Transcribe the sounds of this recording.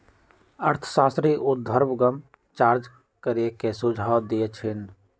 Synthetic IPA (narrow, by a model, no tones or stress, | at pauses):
əɾt̪ʰə̥saːst̪ɾiʔʊd̪ʱːəɾbɡəm | t͡ʃaːɾd͡ʒ | kəɾekesʊd͡ʒʱaːwd̪iet͡ʃʰɪn